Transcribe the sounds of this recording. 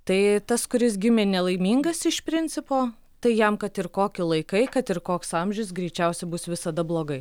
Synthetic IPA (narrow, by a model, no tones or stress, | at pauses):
t̪ɐɪt̪ɐskʊɾʲɪs̬ɡʲɪmʲeːnʲɛlˠɐɪmʲiːŋɡɐsɪʃpʲɾʲɪnʲt͡s̪ʲɪpoː | t̪ɐɪjɛmkɐt̪ɪɾkoːkʲɪlˠɐɪkɐɪkɐt̪ɪɾkoːksɐmʲʒʲʊʊs̬ɡɾʲɛɪt͡ʃʲɛʊsʲɛbʊsʋʲɪsɐd̪ɐblˠoːɡɐɪ